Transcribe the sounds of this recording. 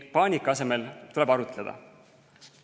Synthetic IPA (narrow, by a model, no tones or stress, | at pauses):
pɑːnʲikːˑɑse̞me̞lt̪ule̞b̥ɑɾut̪led̪̥ɑ̰